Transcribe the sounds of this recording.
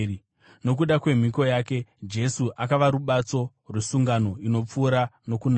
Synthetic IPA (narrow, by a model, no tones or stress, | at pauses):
no̞k̬uɗakwe̞m̤iko̞jaːke̞d͡ʒe̞suʔakaʋaɾuɓat͡so̞ | rwesuŋɡano̞ino̞p͡fuːɾano̞kuna